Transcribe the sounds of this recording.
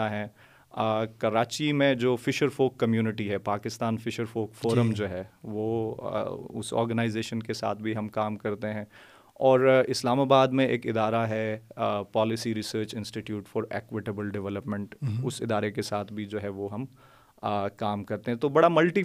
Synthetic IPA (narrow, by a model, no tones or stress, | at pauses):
aɦɛ̃ | kɐɾaːt͡ʃimẽd͡ʒoːfɪʃəɾfoːkːɐmjuːnɪʈiɦɛpaːkɪst̪aːnfɪʃəɾfoːkfoːɾəmd͡ʒoːɦɛʋoː | ʊ̰sɔ̰ːɾɡənaːɪzeːʃənkesa̰ːt̪̚ʰbʱiɦɐmkaːmkɐɾt̪eɦɛ̃ | ɔːɾɪslaːmaːbaːd̪mẽḛːkɪd̪aːɾaɦɛpɔːlɪsiɾɪsəːɾt͡ʃɪ̃nsʈiʈjuːʈfɔːɾḛːkwɪʈəbəlɖɪʋɛləpmɛ̃ɳʈʊsɪd̪aːɾekesaːt̪ʰbʱid͡ʒoːɦɛʋoɦɐm | kaːmkɐɾt̪ẽɦɛ̃t̪obɐɽamɐlʈi